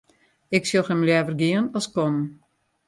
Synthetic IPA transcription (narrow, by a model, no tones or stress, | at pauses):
ɪksolˠxɛmljɛːvərɡiənɔskɔmn